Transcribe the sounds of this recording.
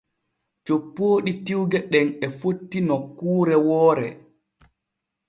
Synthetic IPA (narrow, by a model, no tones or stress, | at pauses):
t͡ʃopːoːɗitiwɡɛɗɛnɛfotːinɔkːuːɾɛwɔːɾɛ̰